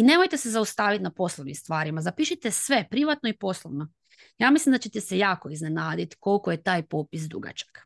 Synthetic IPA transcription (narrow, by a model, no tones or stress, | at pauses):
ine̞mo̞jt̪e̞sezaust̪aːʋit̪napo̞slˠoʋnimst̪ʋaːɾimazapiːʃit̪esʋe̞pɾiʋat̪noipo̞slˠoʋno̞ | jaːmislimd̪at͡ɕe̞t̪esejaːkoizne̞naːd̪it̪ko̞lkoje̞t̪aːjpopisd̪ɾṵɡa̰t͡ʃḁk